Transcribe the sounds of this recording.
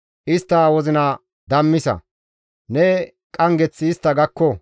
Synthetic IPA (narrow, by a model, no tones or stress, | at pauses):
ʔɪst̪ːɐwɔzɪnɐ | d̪ɐmːɪsɐ̰ | nɛ | kʼɐŋɡɛt͡sːɪːst̪ːɐɡɐkːɔ